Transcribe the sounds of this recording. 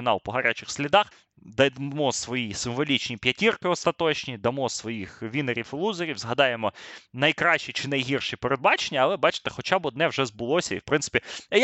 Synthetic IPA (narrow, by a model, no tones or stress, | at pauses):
ɪnɑlˠpɔɦɐɾʲat͡ʃɪxsʲlʲid̪ɑx | d̪ɐmɔsʋɔjisɪmʋɔlʲit͡ʃnʲipʲjɐtʲirkɪɔst̪ɐt̪ɔt͡ʃnʲid̪ɐmɔsʋɔjixʋʲineɾʲiflˠuzeɾʲiwzɦɐd̪ɑjemɔnɐjkɾɑʃt͡ʃit͡ʃɪnɐjɦʲirʃipeɾed̪bɑt͡ʃenʲːɐːlˠɛbɑt͡ʃɪ̥t̪ɛ̥xɔt͡ʃɑbɔd̪nɛwʒɛzbʊlˠɔsʲɐḭwpɾɪnsɪ̥pʲiɛj